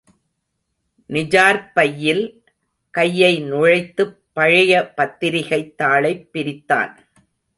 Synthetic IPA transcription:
nɪd͡ʒaːɾpɐjːɪl | kɐjːɐɪnʊɻɐɪt̪ːɯpːɐɻɪjɐpɐt̪ːɪɾɪɣɐɪt̪ːaːɭɐɪpːɪɾɪt̪ːa̰ːn

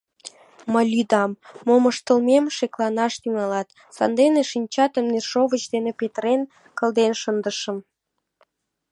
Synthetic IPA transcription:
məlʲyd̪ɑmːomə̆ʃt̪ə̆lmemʃeklɑnɑʃt̪yŋɑlɑt̪ | sɑ̰nd̪eneʃinʲt͡ɕɑt̪ə̆mnerʃoβət͡ɕd̪enepet̪ɾen | kə̆lˠd̪enʃə̆nd̪əʃə̆m

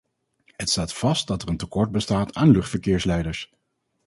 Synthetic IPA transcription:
ɦətstaːtfɑst̚dɑtərəntəkɔɹt̚bəstaːtʰaːnlɵχtfəɹkɪːɹslɛjdəɹs

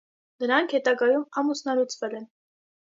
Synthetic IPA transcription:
d̪əɾɑŋkʰhɛt̪ɑɡɑjumɑmusnɑlut͡sʰvɛlɛn

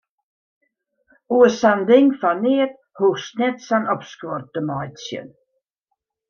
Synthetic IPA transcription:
uəsand̪ɪŋfaneːt̪ | husnɛt̪sanɔpskort̪̚dəmɔjt̪sjə̰n

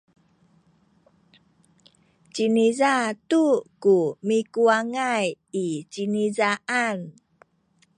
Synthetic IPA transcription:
t͡ɕinizatukumikuaŋaj | it͡ɕinizaʔan

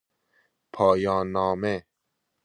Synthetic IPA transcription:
pʰɒːjɑːnːɔːme

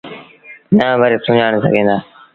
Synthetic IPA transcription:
nãːʋəɾeːsʊ̃d͡ʒaːɳ̃sə̰ɡʱẽːnd̪aː

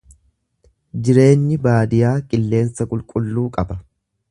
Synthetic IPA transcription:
d͡ʒɪɾe̞ːɲːɪbaːd̪ɪjaːkʼɪlːe̞ːnsɐkʼʊlkʼʊlːuːkʼɐbɐ

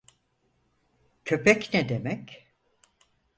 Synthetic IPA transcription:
cʰøpʰɛcnɛd̪emɛc

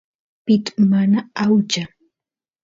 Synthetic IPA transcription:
pɪt̪ḁmanaawt͡ʃa

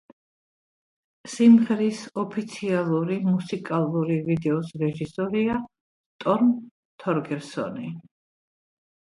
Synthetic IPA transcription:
simʁɛɾisɔpʰit̪sʰialˠuɾimusikʼalˠuɾivid̪ɛɔsɾɛʒisɔɾia | t̪ʼɔɾm | t̪ʰɔɾɡɛɾsɔ̰ni

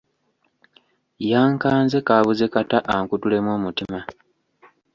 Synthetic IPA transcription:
jaːŋkaːnze̞kaβuzekataʔaŋkutule̞mwo̞ːmutima

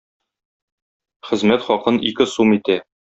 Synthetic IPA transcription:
χɘ̆zmæt̪χɒqɤnikɘsumit̪æ

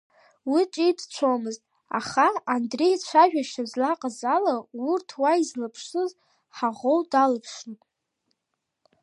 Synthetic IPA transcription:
wit͡ʃʼidt͡ɕʷʰomɨztʼ | a̰χaandre̞jt͡ɕʷʰaʒᶣaʃazlaqʼazalaurtʰwaizlapʰʂɨz | ħaʁowdalɨpʰʂnʼ

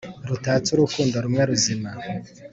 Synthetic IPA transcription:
ɾutaːt͡suɾukuːndaɾumŋeɾuzima

